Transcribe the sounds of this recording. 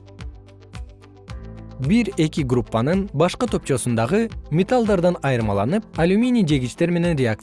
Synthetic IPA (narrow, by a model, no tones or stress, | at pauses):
biɾe̞kiɡrupːanɯnbɑʃqɯt̪ʰo̞p̚t͡ʃo̞sund̪ɑʁɯmʲet̪alˠd̪ɑɾd̪ɑnɑjɯɾmɑlˠɑnɯp̚ɐlʲumʲinʲijd͡ʒe̞ɡʲit͡ʃt̪e̞ɾme̞ne̞nɾʲɪak̚t̪